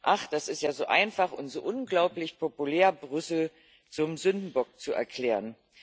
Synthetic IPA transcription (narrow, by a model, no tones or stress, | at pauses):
ʔaχd̥asɪstjaːzoːʔa̰ɪnfaχʊ̰nz̥o̰ːʔʊnɡlaʊplɪçpʰopulɛːɐbʁʏsl̩ | t͡sʊmzʏndn̩bɔk̚t͡suʔɛ̰ɐkʰl̥ɛːʁən